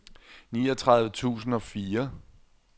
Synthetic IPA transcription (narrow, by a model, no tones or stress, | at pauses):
niːɒt͡sʰʁɑ̈ðˠʋət͡sʰṵːsn̩ɒ̽fiːɐ